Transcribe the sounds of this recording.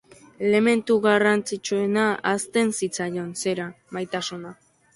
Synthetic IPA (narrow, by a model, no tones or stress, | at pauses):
ele̞me̞nt̪uɣarant͡sit͡ʃue̞naast̪e̞nsit͡sajonse̞ɾa | majt̪asuna